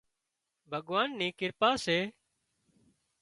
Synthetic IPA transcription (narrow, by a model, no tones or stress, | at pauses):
bʱəɠʋaːnːĩːkɪɾpaːseː